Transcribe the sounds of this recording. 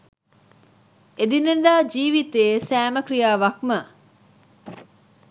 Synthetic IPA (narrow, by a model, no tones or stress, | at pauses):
ed̪inend̪aːd͡ʒiːʋit̪eːsæːməkɾijaːʋɐkmə